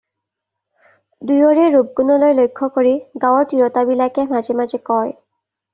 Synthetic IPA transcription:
dujɔɹɛɹub̚kunɔlojlojkʰːɔkoɹiɡawɔɹtiɹɔtabilakɛmazemazɛkɔj

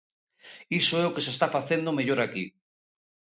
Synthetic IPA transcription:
isoeokesest̪afaθend̪omeʎoɾaki

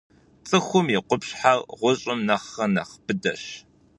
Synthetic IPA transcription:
t͡sʼɨxʷʊmiqʷʊpɕħarʁʷʊɕʼɪmnɐχːɐnɐχb̥ɨdɐɕ

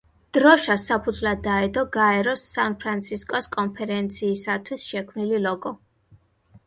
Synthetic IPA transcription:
d̪̥ɾɔʃasapʰud̪zvlad̪ːaɛd̪ɔɡaɛɾɔsːanpʰɾant̪sʰiskʼɔskʼɔnpʰɛɾɛnt̪sʰiːsat̪ʰwisʃɛkʰmnililɔɡɔ

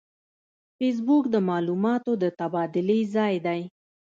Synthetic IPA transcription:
fes̬bukd̪əmɑlumɑt̪od̪ət̪abɑd̪ɪlezɑjd̪aj

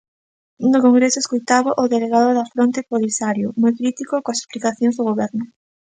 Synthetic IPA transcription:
nʊkoŋɡɾesʊeskojt̪aβaʔoðeleɣaðʊðɐfɾont̪epolisaɾjʊmojkɾit̪ikokõase̥splikaθjõŋzðoɣoβɛɾnʊ

